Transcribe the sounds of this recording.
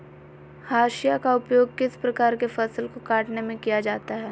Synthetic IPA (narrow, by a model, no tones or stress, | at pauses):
haːʃijakaʊpjoːɡ̚kɪspɾɐkaːɾkefɐsəlkokaːʈnemẽkijad͡ʒaːt̪aɦɛː